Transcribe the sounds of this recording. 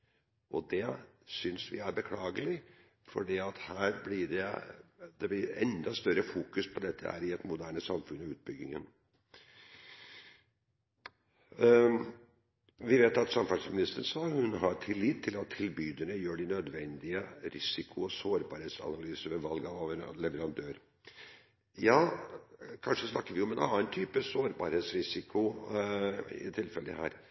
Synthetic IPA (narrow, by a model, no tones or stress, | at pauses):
ʔɔd̪ɛ | sʏnsʋɪ̰æɾbəkʰlɑːɡəlɪ | fɔ̰ɖiːɑt̪hæːɾblɪɖɛ | d̪̥ɛblɪɾɛ̰nd̪ɑst̪œɾəfuːkʉspʰɔd̪ɛt̪ʰːə̰æ̰ɾɪɛt̪mʊd̪æːɳəsɑmfʉnɑʉːt̪̚bʏɡɪŋə̰n | ʋɪʋeːt̪ɑt̪sɑmfɑʂsmɪnɪst̪əɳsɑːhʉnɦɑɾt̪ʰɪlːit̪ʰːɪlɑt̪ʰːɪlbyːd̪əɳəjøːɖɪnœd̪ʋɛnd̪ɪəɾɪsɪkʰʊɔsoːɾbɑ̰ːɾheːt̪sɑ̰nɑlyːsəʋɛʋɑlɡɑʋlɛʋəɾɑnd̪øːɾ | jɑː | kʰɑnʂəsnɑkːəɾʋɪɔmɛnɑ̰nənt̪ʰyːpəsoːɾbɑ̰ːɾheːt̪sɾɪsɪkʰʊ | ɪ̰t̪ʰɪlfɛlə̰hæ̰ːɾ